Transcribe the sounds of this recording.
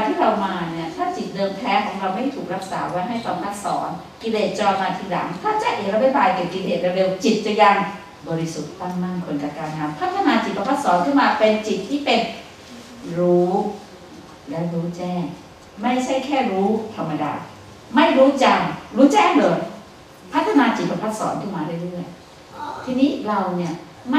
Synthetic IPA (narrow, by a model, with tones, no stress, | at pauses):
a˧t̪ʰiː˥˩ɾa˧wmaː˧ni˦˥˩ɐt̪ʰaː˥˩t͡ɕi˨˩t̪̚dɤː˧mp̪ʰlɛː˦˥kʰɔː˩˦ŋɾa˧wma˥˩jt̪ʰuː˨˩k̚ɾa˦˥k̚sa̰ː˩˦wa˦˥jɦa˥˩jt̪ɔː˧˩npa˦˥t̪̚sɔ̰ː˩˦n | ki˧leː˨˩t̪̚t͡ɕɔː˧jmaː˧t̪ʰiː˧˩la̰˩˦ŋt̪ʰaː˥˩t͡ɕa˨ʔeː˨˩ɾa˧a˧˥˩jbaː˧jkɛ˨˩ki˧leː˨˩t̪̚ɾe˧ɾe˧wt͡ɕi˨˩t̪̚t͡ɕa˨˩ja˧ŋ | bɔː˧ɾi˧˦˥su˨˩t̪ːa˥˩ŋna˥˩nkʰo˧nt̪a˧˩kaː˧nnaː˨˧mpʰa˦˥t̪ʰːa˧naː˧t͡ɕi˨˩t̪̚pʰa˧˥ma˦˥t̪sɔː˨˦nkʰɯː˥˩nmaː˧pe˧nt͡ɕi˨˩t̪ʰːiː˥˩pe˧n | ɾuː˦˥ | lɛ˦˥ɾuː˦˥t͡ɕɛː˥˩ŋ | ma˥˩jt͡ɕʰa˥˩jkʰɛː˥˩ɾuː˦˥t̪ʰa˧mːa˧da̰ː˧ | ma˥˩jɾuː˦˥t͡ɕa˧ŋɾuː˦˥t͡ɕɛː˥˩ŋloː˨˧˩j | pʰa˦˥t̪ʰːa˧naː˧t͡ɕi˨˩t̪̚pa˧pʰa˦˥t̪̚sɔ̰ː˩˦nkʰɯ˥˩maː˧da˥˩jɾɯ˥˩əj | t̪ʰiː˧niː˦˥ɾa˧wni˥˩ɐ | ma˥